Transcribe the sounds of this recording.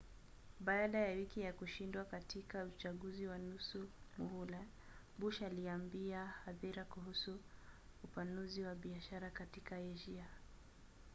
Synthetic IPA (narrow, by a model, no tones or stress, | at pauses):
ɓaːɗajawikijakuʃindwakatikaut͡ʃaɠuziwanusumuhulɛ | ɓuʃaliambiahaðiɾakuhusuː | panuziwaɓiaʃaɾakatikaɛʒia